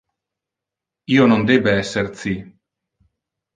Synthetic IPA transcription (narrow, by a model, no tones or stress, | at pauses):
iːonond̪eːbeɛsːert̪si